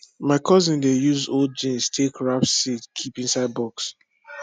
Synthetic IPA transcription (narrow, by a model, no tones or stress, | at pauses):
maɪkʰɔzĩndejuzold̚d͡ʒĩnstʰekɹapsitkʰipĩnsaɪd̚bɔks